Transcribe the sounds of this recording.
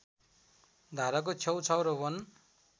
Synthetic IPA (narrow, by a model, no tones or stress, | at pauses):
d̪ʱaɾak̬ot͡sʰʌwt͡sʰʌwɾʌbʌn